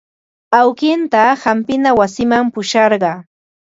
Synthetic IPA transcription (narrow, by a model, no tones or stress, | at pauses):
awkɪnt̪ahampɪnawasɪmampʊʃɑɾɢɑː